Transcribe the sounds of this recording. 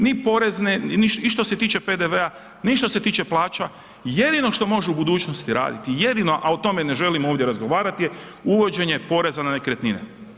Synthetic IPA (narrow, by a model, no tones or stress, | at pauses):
nipo̞ɾe̞zneiʃiʃt̪o̞se̞t̪iːt͡ʃe̞pe̞d̪eʋe̞a | niʃt̪ose̞t̪iːt͡ʃe̞plˠaːt͡ʃa | je̞d̪ino̞ʃt̪o̞mo̞ʒuubud̪uːt͡ʃno̞st̪iɾa̰ːd̪it̪ije̞d̪ino̞ʔao̞t̪o̞me̞ne̞ʒe̞limoʋd̪je̞ɾazɡo̞ʋaːɾat̪ije | uʋo̞d͡ʒe̞ɲe̞po̞ɾe̞zananekɾet̪ninḛ